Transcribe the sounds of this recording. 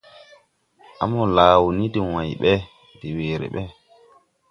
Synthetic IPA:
ʔa̰˨mɔ˨laː˨wu˨ni˦di˨wa˨jɓɛ˦ | di˨weː˨ɾɛ̰˨ɓɛ˦

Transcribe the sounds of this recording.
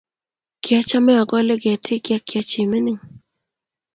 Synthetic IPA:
kja˦t͡ʃa˦mɛ˦ɔ˨ɡɔ˦le˦ɡɛ˨tʰɪ˦kja˦kja˦t͡ʃɪ˨mɪ˦nɪ˦ŋ

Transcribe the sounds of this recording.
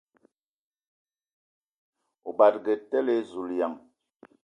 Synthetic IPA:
o˨ba˨t̚ɡe˨tɛ˦le˦zu˨lja˨ŋ

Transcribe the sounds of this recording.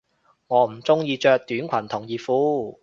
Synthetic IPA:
ŋɔː˨˧m̩˨˩t͡sʊ˥ŋjiː˧t͡ʃœː˧k̚t̪yː˨˥nkʷʰɐ˨˩nt̪ʰʊ˨˩ŋjiː˨fuː˨˥

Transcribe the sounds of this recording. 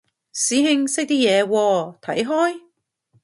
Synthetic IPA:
siː˨˥ɦɪ˧ŋsɪ˥k̚t̪iː˥jɛː˨˧wɔː˧t̪ʰɐ˨˥jɦɔː˥j

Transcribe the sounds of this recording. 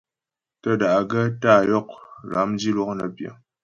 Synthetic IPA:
tə˦da˨ʔɡə˦ta˦˨jɔ˦˨k̚la˨˦md͡ʒi˦lwɔ˦knə̰˨bjə̰˨

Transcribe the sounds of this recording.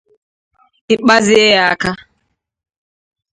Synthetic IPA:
i˨ɓa˦zi˦ɛ˦jaː˨ka˦

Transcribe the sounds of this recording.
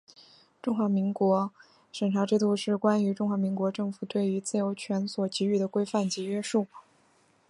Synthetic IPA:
ʈ͡ʂʊ˥ŋxwa˧˥mi˧˥ŋkwɔ˧˥ | ʂə˨˩nʈ͡ʂʰa˧˥ʈ͡ʂɻ̩˥˧t̪u˥˧ʂɻ̩˥˩kwa˥ny˧˥ʈ͡ʂʊ˥ŋxwa˧˥mi˧˥ŋkwɔ˧˥ʈ͡ʂɤ˥˩ŋfu˨˩t̪we˥˩ɪy˧˥t͡sɹ̩˥˩jo˧˥ʊt͡ɕʰɥɛ˧˥nswɔ˨˩t͡ɕi˧˥y˥˩d̪ə˩kwe˥ɪfa˥˩nt͡ɕi˧˥ɥɛ˥ʂu˥˩

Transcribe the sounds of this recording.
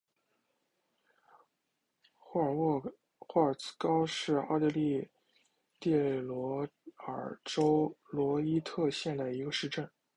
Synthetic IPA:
xwɔ˥˩ə˨˩t͡s̩˥kɑ˥ʊʂɻ̩˥˩ɑ˥˧t̪ɛ˥˧li˥˧ | t̪jɛ˥˩lwɔ˧˥ə̰˞˨˩ʈ͡ʂo˥ʊlwɔ˧˥i˥t̪ʰɤ˥˧ɕjɛ˥˩nd̪ə˩i˧˥ɡə˧ʂɻ̩˥˧ʈ͡ʂə˥˩n

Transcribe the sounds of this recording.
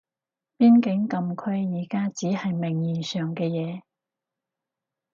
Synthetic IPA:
piː˥nkɪ˨˥ŋkɐ˨mkʰɵ˥ɥjiː˨˩kaː˥t͡siː˨˥hɐ˨jmɪ˨˩ŋjiː˨˩sœː˨ŋkɛː˧jɛː˨˧

